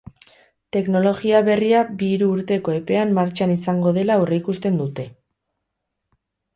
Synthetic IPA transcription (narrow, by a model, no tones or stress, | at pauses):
t̪e̞kno̞lo̞ɣiaβe̞riabiɾuːɾt̪e̞ko̞e̞pe̞amːaɾt͡ʃanisaŋɡo̞ð̞e̞lawreikust̪e̞nd̪ut̪e̞